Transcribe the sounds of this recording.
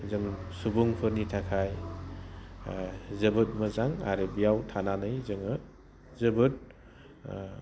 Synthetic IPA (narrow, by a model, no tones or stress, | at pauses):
zɯŋsubuŋpʰɯɾnitʰakʰaj | zɯbɯt̚mɐzaŋaɾebijawtʰananɯjzɯŋɯ | zɯbɯt̚